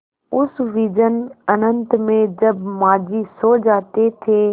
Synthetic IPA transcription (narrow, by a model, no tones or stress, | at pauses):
ʊsʋiːd͡ʒənənənt̪mẽd͡ʒəbmaːd͡ʒiːsoːd͡ʒaːt̪et̪ʰeː